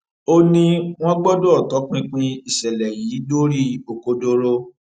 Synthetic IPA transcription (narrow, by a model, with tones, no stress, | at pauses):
o˦nĩ˦w̃ɔ̃˦ɡ͡bɔ˦do˦ɔ˦˨tɔ˨˦k͡pĩ˦k͡pĩ˦i˨ʃɛ˨lɛ˨ji˨˦do˦ɾi˦o˨ko˧do˧ɾo˦